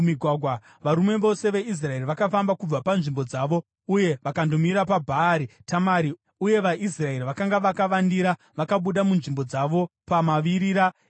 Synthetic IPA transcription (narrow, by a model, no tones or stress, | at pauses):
miɡʱwaɡʱwa | ʋaɾume̞ʋo̞se̞ʋe̞is̬raeriʋakafambakub͡vapanʐimbo̞d͡zaːʋo̞ | uje̞ʋakandomiɾapabʱaːɾitamaɾi | uje̞ʋaʔisrae̞ɾiʋakaŋɡaʋakaʋandiɾa | ʋakaɓuɗamunʐimbo̞d͡zaʋo̞pamaʋiɾiːɾa